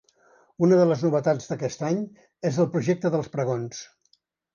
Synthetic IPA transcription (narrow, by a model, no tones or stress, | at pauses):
unəðələznuβ̞ət̪ad͡zðəkɛst̪aɲ | ezəlˠpɾuʒɛk̚t̪əðəlˠspɾəɣons